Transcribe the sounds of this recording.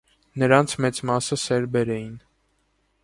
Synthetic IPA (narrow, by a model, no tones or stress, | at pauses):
nəɾɑnt͡sʰmɛt͡smɑsəsɛɾbɛɾɛjin